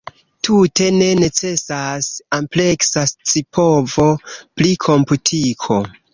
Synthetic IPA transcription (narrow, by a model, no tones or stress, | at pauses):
tʰute̞ne̞ne̞t͡se̞sasample̞ksast͡sipʰovo̞plikʰo̞mputʰikʰo̞